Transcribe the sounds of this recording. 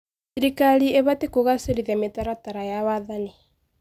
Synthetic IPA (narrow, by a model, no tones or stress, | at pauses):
siɾikalieβatekoɣaseɾiðɛmetaɾataɾajawaðani